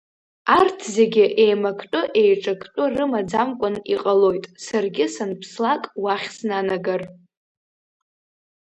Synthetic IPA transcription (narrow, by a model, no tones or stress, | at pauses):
artʰze̞ɡʲɪʔejmakʰtʷʼʊʔe̞jʈ͡ʂʼakʰʼtʼʊrɨmad͡zamkʷʼʊniqʼalo̞jtʼsarɡʲɪsanpʰslakʼwaχʲsnanaɡar